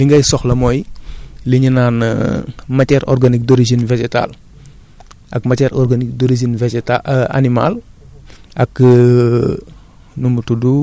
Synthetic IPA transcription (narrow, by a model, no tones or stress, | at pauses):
liŋɡɐjsɔxlɐmɔːjliɲinaːn | mɐtɛɾʔɔ̰rɡanik̚doɾiʒinved͡ʒɛta̰l | ʔɐ̰kmatɛɾʔɔɾɡanik̚doɾiʒinved͡ʒɛtaa̰nima̰l | ɐk | numutudu